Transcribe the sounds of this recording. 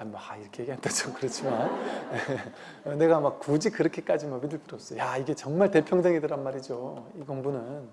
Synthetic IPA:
amaaiɾʌkʰe̞jeɡiɦandad͡ʑokɯɾʌt͡ɕʰiman | ʌne̞ɡamakkud͡ʑikɯɾʌkʰe̞k͈ad͡ʑimʌbidɯɭt͈ɯɾʌps͈ʌjojaiɡe̞t͡ɕʌŋmaɭte̞pʰjʌŋdɯŋidɯɾanmaɾid͡ʑoiɡoŋbunɯn

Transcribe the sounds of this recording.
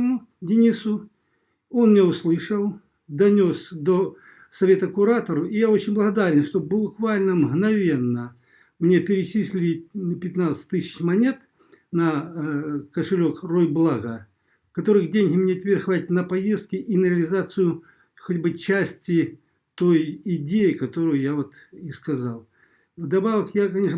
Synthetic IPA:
mu | dʲɪnʲisʊ | o̞nmʲnʲeʊslˠɨʂəlˠ | d̪ɐnʲo̞sd̪o | sɐvʲe̞t̪əkʊɾat̪əɾʊijao̞t͡ɕɪnʲblˠəɣɐd̪aɾʲɪnʂt̪o̞bʊkvalʲnəmɣnɐvʲe̞nːə | mnʲe̞pʲɪɾʲɪt͡ɕisʲlʲɪlɪpʲɪt̪nat̪sɨ̥tʲt̪ɨsʲɪ̥t͡ɕmɐnʲe̞t̪ | nə | kəʂɨlʲo̞krojblˠaɣə | kɐt̪o̞ɾɨɣdʲenʲɣʲɪmnʲet̪ʲvʲerxvatʲɪt̪ʲnəpɐjest̪̚kʲɪʔinəɾʲɪəlʲɪzat̪sɨjʊ | xotʲbɨt͡ɕæsʲtʲɪ | t̪o̞jɪdʲejɪkɐt̪o̞ɾʊjʊjavot̪ | iskɐzalˠ | vd̪ɐbavəkjakɐnʲeʂ

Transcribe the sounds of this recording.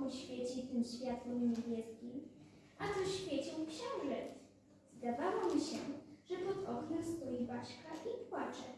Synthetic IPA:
wɕfʲjet͡ɕit̪ɘmɕfʲjat̪wɔmʲɛɲebʲjɛskʲim | ʔazɔɕfʲjet͡ɕɔ̃w̃kɕɔ̃w̃ʐɛt̪ | zd̪avawɔmʲiɕɛ̰ʐɛt̪ɔt̪ɔknɛst̪ɔjibat͡ɕkaʔipwat͡ʂɛ̰

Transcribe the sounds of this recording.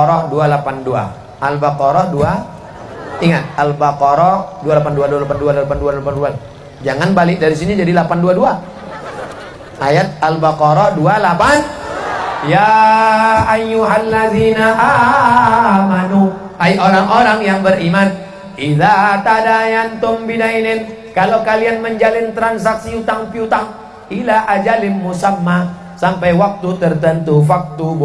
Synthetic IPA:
ɾɔdualapandua̰ | ʔalbakɔɾɔdua | iŋat̪̚albakɔɾɔdualapanduadualapanduadlapandualapandua | d͡ʒaŋanbalɪk̚daɾisinid͡ʒadilapanduadua | ʔajat̪̚albakɔɾɔdualapan | ja | ʔajːuɦalːaðiːnaʔa | manu | ajʔoɾaŋʔoɾaŋjaŋbərʔiman | ʔiðat̪adajant̪ʊmbinainɪn | kalokalianməɲd͡ʒalɪnt̪ɾansaksiut̪aŋpiut̪aŋ | ʔilaʔad͡ʒalɪmːusamːa | sampajwak̚t̪ut̪ərt̪ənt̪ufak̚t̪ub

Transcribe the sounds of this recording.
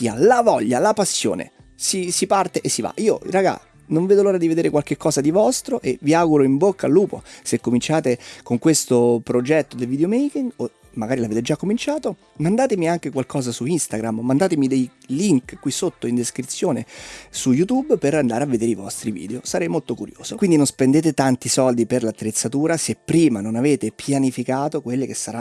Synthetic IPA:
iːalavɔʎːalapasːjo̰ːnḛ | sisipart̪eʔesːiva̰ʔiːoiraɡa̰ | noɱveːd̪oloːɾad̪ived̪eːɾekwalk̟ekːɔːzad̪ivɔst̪ɾoʔeviaɡuɾoimbokːalːuːpo̰sekːomint͡ʃaːt̪ekoŋkwest̪opɾod͡ʒɛt̪ːod̪elviːd̪eomejkiŋɡo | maɡaːɾilaveːt̪ed͡ʒakːomint͡ʃaːt̪o | mand̪aːt̪emiaŋk̟ekwalkɔːzasuinst̪aɡɾammand̪aːt̪emid̪ej | liŋkkːwisot̪ːoind̪eskɾit̪sːjoːnesujut̪ubpeɾand̪aːɾeavːed̪eːɾeivɔ̰st̪ɾivḭːd̪eosaɾɛjmolt̪okuɾjo̰ːz̥okwind̪inonspend̪eːt̪et̪ant̪isɔld̪iperlat̪ːɾet̪sːat̪uːɾasepːɾiːmanonaveːt̪epʰjanifikaːt̪okwelːek̟esːaɾa

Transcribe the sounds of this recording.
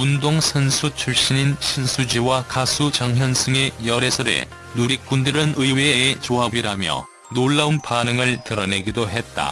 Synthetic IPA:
undoŋsʰʌnsʰut͡ɕʰuɭɕ͈ininɕʰinsʰud͡ʑiwakasʰut͡ɕaŋɦjʌnsʰɯŋe̞jʌɾe̞sʰʌɾe̞̰ | nuɾik̚k͈undɯɾɯnɯiweeːt͡ɕoɦabiɾamjʌ̰ | noɭːaunpanɯŋɯɭtɯɾʌne̞ɡidoɦe̞t̚t͈a̰

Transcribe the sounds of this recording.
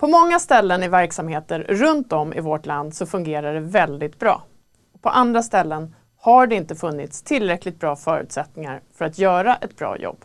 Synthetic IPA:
pʰɔmɔŋːast̪ɛlːənɪvæɾksamheːt̪əɾɾɵnt̪ɔmʔɪ̰voʈland̪sɔfɵŋɡeːɾaɖɛvɛld̪ɪt̪̚bɾɑ̰ː | ɔpʰɔʔand̪ɾast̪ɛlːən | haɖɛɪnt̪əfɵnːɪt̪st̪ʰɪlːɾɛklɪt̪bɾɑːfœːɾʉ̟̰ːt̪sɛt̪nɪŋa̰ɾfœɾat̪jœːɾaʔɛt̪bɾɑ̰ːjɔ̰b̥ː

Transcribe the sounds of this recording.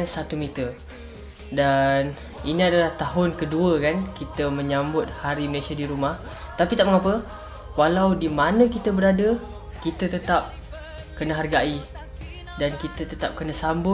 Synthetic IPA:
əsat̪umit̪ər | dan | iniadalaht̪aɦʊnkəduəkankit̪əmə̃ɲambʊt̪̚haɾiməlesiadiɾumah | t̪apit̪aʔ̚məŋapə | walawdimanə̃kit̪əbəɾadə | kit̪ət̪ət̪ap̚ | kənəɦarɡai | dankit̪ət̪ət̪ap̚kənəsambʊ

